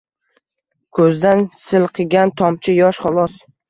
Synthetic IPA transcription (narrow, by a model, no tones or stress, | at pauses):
kʰɵzd̪ansɪlqʰɨɡʲant̪ʰɒmt͡ʃʰɪjɒʃχɒlˠɒs